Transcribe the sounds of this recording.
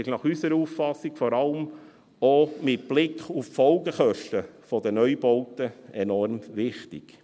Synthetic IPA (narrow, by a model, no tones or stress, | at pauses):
ɪʃnɑχysəɾəuːffɑsːiɡ̥fɔɾɑləm | omɪt̚b̥lɪkχuffɔlɡəχœʃtəfɔd̪ənœʏbɔwtəɛnɔɾmʋɪχtɪ̰ɡ̥